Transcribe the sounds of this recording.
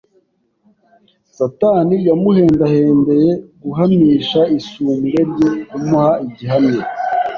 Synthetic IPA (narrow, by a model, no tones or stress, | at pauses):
sataːnijamuhe̞ːndaheːnde̞je̞ɡuɦamiːʃaisuːmɡe̞ɾɟejumuhaiɟiɦamɲe